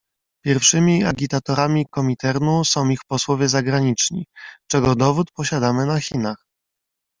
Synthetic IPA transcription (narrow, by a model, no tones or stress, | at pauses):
pʲjɛɾfʂɘmʲiaɡʲit̪at̪ɔɾamʲikɔmʲit̪ɛɾnusɔ̃w̃ixpɔswɔvʲjɛzaɡɾaɲit͡ʂɲḭt͡ʂɛɡɔd̪ɔvut̪pɔɕad̪amɘnaxʲinax